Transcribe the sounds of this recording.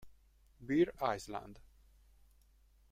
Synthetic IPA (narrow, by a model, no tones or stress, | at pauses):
biɾajslˠã̰nd̪